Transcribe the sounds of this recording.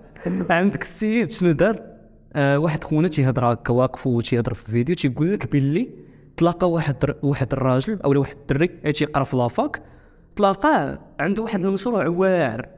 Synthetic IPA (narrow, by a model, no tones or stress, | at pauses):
ʕənd̪əkəsːijəd̪ʃnəd̪ɑɾˤ | waħəd̪xunæt̪iɦəd̪ɾˤækːæwæqə̥ft̪ihəd̪ˤəɾˤfilvid̪jut̪iɡulːəkbəlːi | t̪ˤlɑqɑwaħəd̪waħəd̪ərˤːɑʒəlʔə̰wlæwaħəd̪̚t̪ːərːiʕit̪jəqɾˤɑflɑfɑk | t̪ˤlɑqɑʕənd̪uwaħəd̪əlməʃɾˤuʕwæʕə̰ɾ